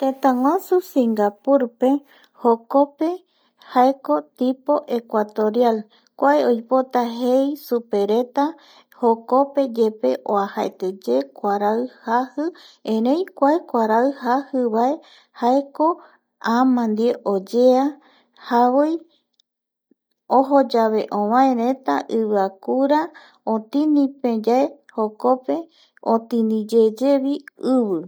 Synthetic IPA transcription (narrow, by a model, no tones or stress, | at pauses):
t̪ẽt̪ãŋw̃ʷãsusĩŋɡapuɾpe̞ | hoko̞pe̞ | haeko̞t̪ipo̞ʔe̞kʷat̪o̞ɾjal | kʷaeojpo̞t̪aɦejsupe̞ɾe̞t̪a | hoko̞pe̞d͡ʒe̞pe̞ʔoahaet̪ɨd͡ʒe̞kʷaɾaɨhahɨẽɾẽj̃kʷaekʷaɾaɨhahɨβae̞ | haeko̞ | ãmãnd̪ieʔod͡ʒea | haβoj | oɦod͡ʒaβe̞ʔõβãẽɾẽt̪aʔɨβɨakuɾa | õt̪inĩpẽd͡ʒaeho̞ko̞pe̞ | ot̪ĩnĩd͡ʒed͡ʒe̞βiɨβɨ